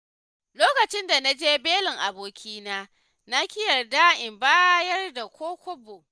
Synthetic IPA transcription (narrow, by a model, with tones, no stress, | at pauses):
loː˦kɐ˨t͡ʃɪ˦nda˨na˦d͡ʒeː˦beː˦lɪ˨ŋʔa˨boː˨kʲʰiː˦naː˦ | na˦kʲɪ˦jɐ˨rdaː˦ʔɪ˨mbaː˦jɐ˦rda˨kʷoː˦kʷʊ˦boː˨